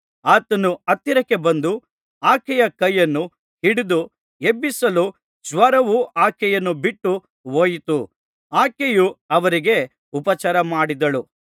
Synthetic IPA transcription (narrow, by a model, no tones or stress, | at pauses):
aːt̪ɐnuɐt̪ːiɾɐkːe̞bɐnd̪u | aːkɛjɐkɐjːɐnːu | hiɽid̪u | ebːisɐlu | d͡ʒʋɐɾɐʋuʔaːkɛjɐnːubiʈːu | ʋoːjit̪u | aːkejuɐʋɐɾiɡe̞ | upɐt͡ʃɐɾɐmaːɽid̪ɐɭu